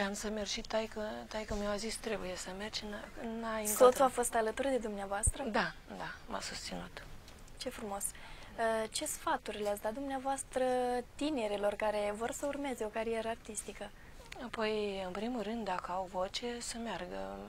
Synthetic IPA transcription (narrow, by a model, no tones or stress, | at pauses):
amsəmerʒit̪ːajkət̪ajkəmewazist̪ɾe̞buje̞səmert͡ʃnnajisot̪uafo̞st̪alət̪urd̪e̞d̪umneavoast̪ɾəd̪ad̪ama̰sust̪sinut̪ | t͡ʃe̞fɾumo̞s | t͡ʃe̞sfat̪urʲleatsʲd̪at̪d̪umneavoast̪ɾət̪ine̞ɾelo̞rkaɾe̞vo̞rsəurme̞ze̞o̞kaɾije̞ɾəart̪ist̪ikə | apo̞jɨnpɾimulrɨnd̪ːakəawvo̞t͡ʃesəmearɡə̰